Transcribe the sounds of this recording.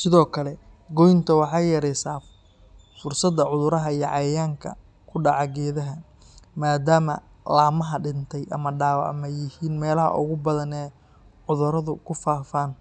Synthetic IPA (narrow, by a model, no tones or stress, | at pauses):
sɪðɔːkʰɐlɛɡɔjnt̪ʰɐwɑħɑjjɛːɾɛjsaː | fʊrsɐd̪ːɐʕʊðʊɾɐɦɐijɔʕɑjaːŋkʰɐ̰ | kʰʊɖɑʕɑɡɛːðɐɦɐ | maːd̪aːmɐ̰laːmɐɦɐɖɪnt̪ʰɛjʔɐ̰mɐɖaːwɑʕmɛjɪhiːnmɛːlɐɦɐ̰ʔʊ̰ɣʊbɐðɐnɛː | ʕʊðʊɾɐðʊkʰʊfaːfaːn